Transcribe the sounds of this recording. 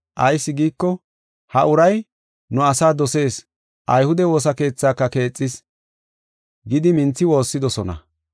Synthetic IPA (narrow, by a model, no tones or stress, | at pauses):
ʔɐjsːɪɡiːkːɔ | hɐʔʊɾɐj | nʊɐsaːd̪ɔse̞ːs | ʔɐjhʊd̪ɛwo̞ːs̬ɐke̞ːt͡sːaːkːɐke̞ːt͡sʼːɪs | ɡɪd̪ɪmɪnt͡sːɪwo̞ːsːɪd̪ɔsɔnɐ̰